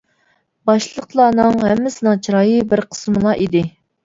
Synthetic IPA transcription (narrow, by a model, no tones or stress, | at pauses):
bɑʃlˠəqlˠɑːnɨŋɦɛmːɪsɪnɪŋt͡ʃʰiɾɑːjɨbɪɾqʰə̥smɨlˠɑʔid̪ɪ